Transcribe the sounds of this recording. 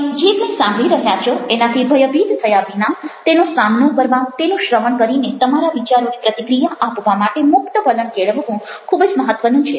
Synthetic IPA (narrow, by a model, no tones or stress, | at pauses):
d͡ʒemẽsamɽĩɾəɦjat͡ʃʰoenat̪ʰibʱəjəbid̪t̪ʰəjaʋinat̪enosamnõkəɾʋat̪enũʃɾəʋəɳkəɾinet̪əmaɾaʋit͡ʃaɾonipɾət̪ikɾijaʔapʋamaʈemʊkt̪əpələɳkeɭʋəʋũ | kʰubd͡ʒməɦət̪ʋənũt͡ʃʰe